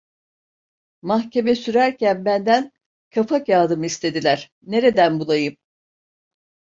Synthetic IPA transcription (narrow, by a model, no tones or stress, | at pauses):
mahcʰe̞mɛsyɾæɾcʰænbænd̪æn | kʰafakjaːd̪ɯmɯist̪ʰe̞d̪ilʲæɾ̥ | ne̞ɾe̞d̪ænbulˠajɯm